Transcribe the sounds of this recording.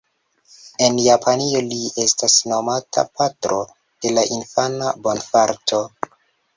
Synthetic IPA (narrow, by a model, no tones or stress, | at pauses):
e̞njapʰanio̞lie̞stasno̞matʰa̰patɾo̞ | d̥e̞laʔinfanabo̞nfaɾtʰo̞